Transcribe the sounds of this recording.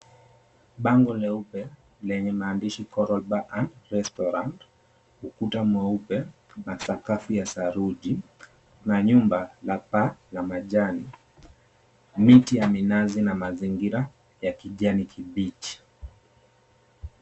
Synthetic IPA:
ɓaŋɡɔlɛupɛ | lɛɲɛmaːndiʃikɔɾɔlɓaʔanɾɛstɔɾant | ukutamwɛupɛ | masakafujasaɾuʄi | naɲumbalapalamaʄani | mitijaminazinamaziŋɡiɾa | jakiʄanikʰiɓit͡ʃi̥

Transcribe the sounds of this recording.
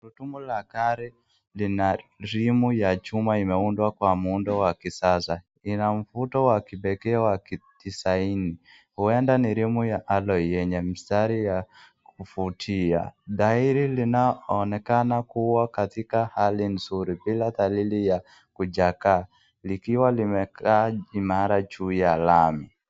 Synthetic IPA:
ɾutumulakaɾi | linaɾimujat͡ʃumaimɛundwakwamuundɔwakisasa | inam̩futɔwakibɛkɛawakitisaini | huɛndaniɾimujaʔalɔjɛɲɛmistaɾija | kufutʰia̰ɗaiɾilinaɔnɛkanakuwakatikahalin̩zuɾibilatalilija | kud͡ʒaka | likiwalimɛkaimaɾat͡ʃujalami

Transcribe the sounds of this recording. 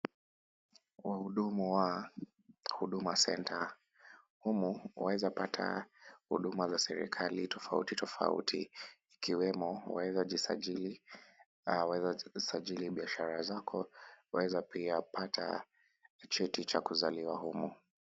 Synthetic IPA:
wahuɗumuwa | huɗumasɛntʰa | humuwa̰wɛzapatʰa̰hṵɗumazasɛɾḭkʰalitʰɔfaṵtitɔfa̰ṵtʰiː | kiwɛmɔwaɛzai | wɛzasaʄiliɓiaʃaɾazakʰɔwawɛzapiapatʰa̰ | t͡ʃɛtit͡ʃakuzaliwahumu

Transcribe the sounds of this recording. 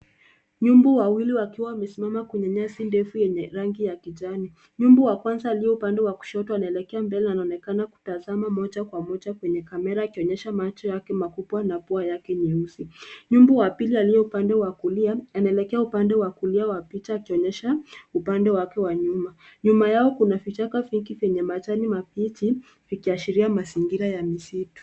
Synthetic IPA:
ɲumbɔwawiliwakiwawamɛsimamakwɛɲɛɲasindɛfujɛɲɛɾaŋɡijakiʄani | ɲumbɔwakwanzaːlijɔupandɛwaku̥ʃɔtuanaɛlɛkɛambɛlɛnanaɔnɛkanaku̥tazamamɔd͡ʒakwamɔd͡ʒakwɛɲɛkamɛɾaːkiɔɲɛʃamat͡ʃɔjakɛmakuɓwanapuajakɛɲiusiɲumbuwapilialijɔupandɛwakuliaanaɛlɛkɛaupandɛwakuliawapit͡ʃaːkiɔɲɛʃaupandɛwakɛwaɲumaɲumajaɔkunafit͡ʃakaviŋɡivɛɲɛmat͡ʃanimapiti | vikiaʃiɾiamasiŋɡiɾajamisitu̥

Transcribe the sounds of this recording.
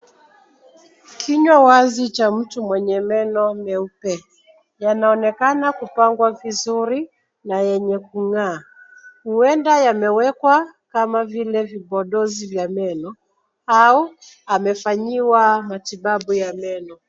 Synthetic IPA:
kʰiɲwawazit͡ʃam̩tumwɛɲɛmɛnɔmɛupɛ | janaɔnɛkanakupaŋɡwavizuɾi | najɛɲɛkuŋaː | huɛndajamɛwɛkwakamavilɛviɓɔɗɔzivjamɛnɔ | au | amɛfaɲiwamatiɓaɓujamɛnɔ

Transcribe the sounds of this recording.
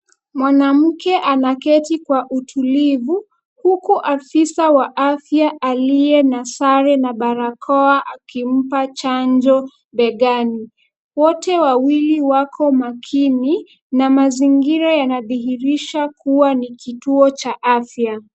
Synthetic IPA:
mwanam̩kɛʔanakɛtikwaʔutʰulivu | hukuʔafisawaʔafjaʔaliɛnasaɾɛnaɓaɾakʰɔaʔakim̩pat͡ʃand͡ʒɔ | ɓɛɠani | wɔtɛwawiliwakʰɔmakʰini | namaziŋɡiɾajanaðiɦiɾiʃakʰuwanikituɔt͡ʃaʔafja

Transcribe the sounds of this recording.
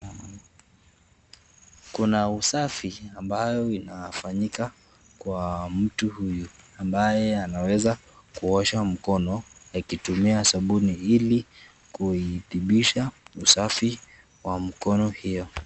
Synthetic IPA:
kunausafiambajɔinafaɲika | kwam̩tuhuju | ambajɛanawɛza | kuɔʃam̩kɔnɔakitumiasaɓuniili | kuiθiɓiʃausafi | wam̩kɔnɔhijɔ

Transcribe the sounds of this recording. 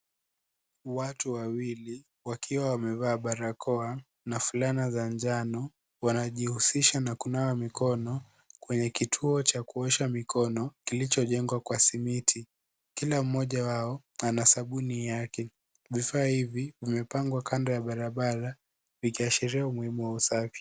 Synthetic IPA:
watuwawili | wakʰiwawamɛvaːɓaɾakʰɔa | nafulanazand͡ʒanɔ | wanaʄihusiʃanakunawamikɔnɔ | kwɛɲɛkitʰuɔt͡ʃakuɛʃamikʰɔnɔkilit͡ʃɔʄɛŋɡwakwasimitʰi | kilam̩mɔʄawaɔ | anasaɓunijakɛ | vifaːhivivimɛpaŋɡwakʰandɔjaɓaɾaɓaɾa | vikiaʃiɾiaumuhimuwausafi̥

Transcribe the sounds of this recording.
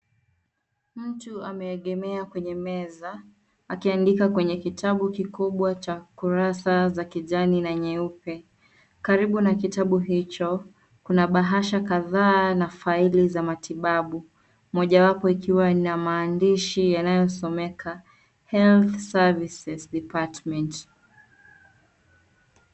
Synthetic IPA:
m̩tuamɛːɠɛmɛakwɛɲɛmɛza | akiandikakwɛɲɛkitʰaɓukikuɓwat͡ʃakuɾasazakiʄaninaɲɛupɛ | kaɾiɓunakitaɓuɦit͡ʃɔ | kunaɓaɦaʃakaðaːnafailizamatiɓaɓu | mɔʄawapɔikiwanamaːndiʃijanajɔsɔmɛkʰa | hɛlθsavisɛsɗipatmɛnt

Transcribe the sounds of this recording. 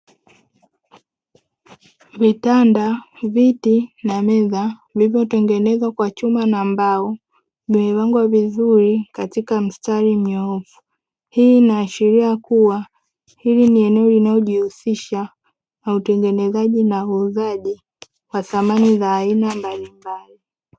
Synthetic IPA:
vitandavitinamɛzavivjɔtɛŋɡɛnɛzwakwat͡ʃumanambaɔ | ɲuɛwaŋɡwavizuɾikatikam̩staɾim̩ɲɔɔfu̥ | hiːnaːʃiɾiakuwa | hiliniɛnɛɔlinaɔʄihusiʃa | nautɛŋɡɛnɛzaʄinauzaʄi | waθamanizaːinambalimbali

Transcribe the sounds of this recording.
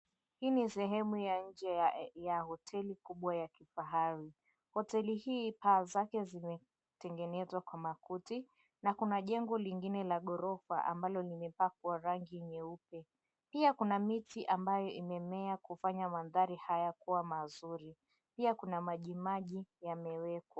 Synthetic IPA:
hiːnisɛɦɛmujaɲ̩d͡ʒɛjahɔtʰɛlikuɓwajakifaɦaɾi | hɔtɛlihiːpaːzakɛzimɛ | tɛŋɡɛnɛzwakwamakuti | nakunaʄɛŋɡɔliŋɡinɛlaɠɔɾɔfa̰ʔa̰mbalɔlimɛpakwaɾaŋɡiɲɛupɛ | piakunamitiʔambajɔʔimɛmɛakufaɲamaðaɾihajakuwamazuɾi | piakunamaʄimaʄijamɛwɛkwa

